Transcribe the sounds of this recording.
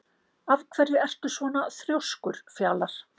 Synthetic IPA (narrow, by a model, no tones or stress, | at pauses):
avkʰvɛɾðɪɛr̥t̪ʏ̥svɔːnaθɾjowskʏɾ̥fjaːlaɾ̥